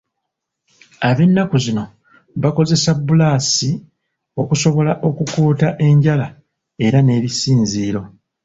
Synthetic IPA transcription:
aβe̞nːakuzino̞ | βako̞ze̞sabːulaːsi | o̞kuso̞βo̞laʔo̞kukuːtaʔe̞ɲɟala | e̞ɾane̞ːβisiːnziːɾo̞

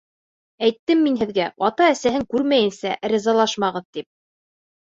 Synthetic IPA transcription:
æjt̪ːɘmːinɦɘ̆ðɡæɑt̪ɑæsæɦɘŋkʉɾmæjɘ̆nsæɾɘ̆zɑlˠɑʃmɑʁɤðt̪ip̚

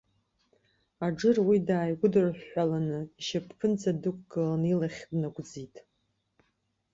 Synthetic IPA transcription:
aʈ͡ʂɨrwidaːjɡʷʊdɨrħʷalanɨʃapʰpʰɨnd͡zadɨkʷʼɡɨlanilaχʲbnaɡʷd͡zitʼ

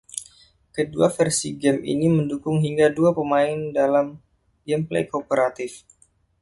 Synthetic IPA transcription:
kəduafɛrsiɡɛmḭniməndukʊŋɦiŋɡaduapəmaɪndalam | ɡɛmplḛjkopəɾat̪ɪf

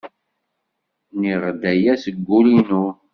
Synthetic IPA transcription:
niʁd̪æjæsəɡːulinu

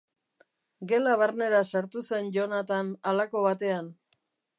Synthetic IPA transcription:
ɡe̞laβaɾne̞ɾasaɾt̪use̞nʝonat̪analako̞βat̪e̞an

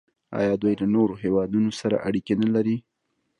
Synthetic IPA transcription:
ɑ̰jɑd̪wujlanoɾoɦewɑd̪unosaɾa̰ʔaɽikenalaɾi

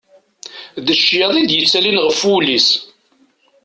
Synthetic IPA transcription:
ðəʃjɑðˤid̪jət͡sːælinʁəfulis

